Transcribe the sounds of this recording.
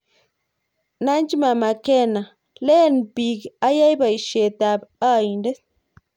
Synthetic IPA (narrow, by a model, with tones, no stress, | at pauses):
na˦n˦d͡ʒi˦ma˨ma˨kɛ˦˨na˨ | le˦˨npi˨ka˦ja˦jba˨i˨ʃe˨ta˨ba˦˨i˨nde˦